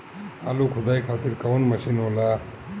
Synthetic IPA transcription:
alukʰʊd̪aːjkʰaːt̪iɾkɐwnmɐsinɦola

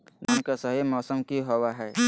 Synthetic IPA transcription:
nənkasəɦimɔːsəmkiɦowaɦɛː

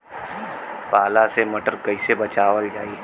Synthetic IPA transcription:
paːlasemɐʈəɾkɐɪsebɐt͡ʃaːwəld͡ʒaːiː

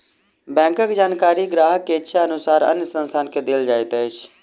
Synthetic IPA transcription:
bɛ̃ːŋkəkd͡ʒaːnkaːɾiːɡɾaːɦkeːʃʰaːənʊsaːɾə̰njəsənst̪ʰaːnked̪eːld͡ʒaːet̪ɛːt͡ʃ

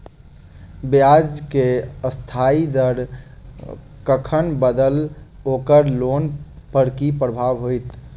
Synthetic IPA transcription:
bjad͡ʒkeəst̪ʰaid̪əɾ | kəkʰənbəd̪əlokəɾlonpəɾkipɾəbʱaʋɦojt̪

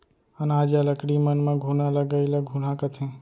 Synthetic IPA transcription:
ənad͡ʒaləkɽimənmeɡʱunaləɡəɪləɡʱun̤akət̪ʰẽ

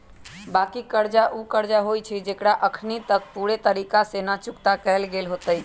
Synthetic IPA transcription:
bakikəɾd͡ʒaʔukəɾd͡ʒaɦojt͡ʃʰid͡ʒekɽaʔəkʰnit̪ək̚puɾet̪əɾikasenat͡ʃukt̪akɛlɡelɦot̪əj

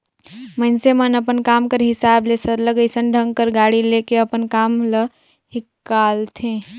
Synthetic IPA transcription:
mənsemənəpənkaːmkəɾɦɪsaːblesəɾləɡəɪsənɖʱə̃ŋɡ̚kəɾɡaːɽileːkeəpənkaːmlə | hɪkːaːlt̪ʰẽ

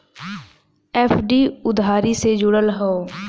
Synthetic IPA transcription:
ɛːfʰɖiːʊd̪ʱaːɾiːseːd͡ʒʊɽəlɦoo

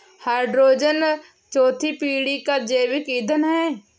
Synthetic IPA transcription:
haːɪɖɾoːd͡ʒən | t͡ʃoːt̪ʰipiːɽikad͡ʒeːʋɪkid̪ʱənɦɛː

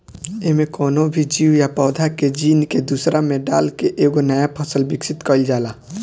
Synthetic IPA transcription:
eɦmẽkɔːnobʱid͡ʒiwjapɔːd̪ʱaked͡ʒiːnked̪uːsɾamẽɖaːlkeʔeːɡonəjapʰəsəlbɪksɪt̪kəld͡ʒaːla

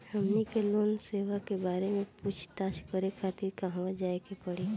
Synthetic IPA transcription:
hɐmnikeloːnseːʋakebaːɾemẽput͡ʃʰt̪aːʃkəɾekʰaːt̪iɾkaɦʋad͡ʒaːekepəɽiː

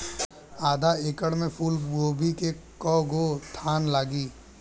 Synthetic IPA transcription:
aːd̪ʱaeːkəɽmẽpʰuːlɡoːbʱikekɔːɡot̪ʰaːnlaːɡiː

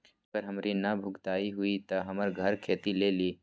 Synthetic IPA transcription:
pəɾɦɐmɾinɐbʱʊɡt̪aːiɦʊit̪ɐɦɐməɾɡʱəɾkʰeːt̪ileli

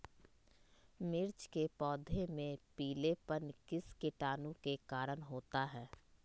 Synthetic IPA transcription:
mɪɾt͡ʃkepɔːd̪ʱemẽpiːlepənkɪskɪʈaːnũkekaːɾəɽɦoːt̪aɦɛː

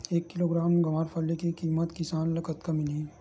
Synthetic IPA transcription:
eːkːɪloːɡɾaːmɡɐmaːɾpʰɐlːikekiːmət̪kɪsaːnlɐkət̪kamɪlĩː

